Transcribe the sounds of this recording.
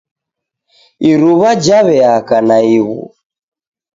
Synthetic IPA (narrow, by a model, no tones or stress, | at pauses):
iɾuβad͡ʒaβɛakanaiɣṵ